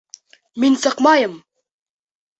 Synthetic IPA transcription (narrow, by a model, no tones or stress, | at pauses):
minsɑqmaːjam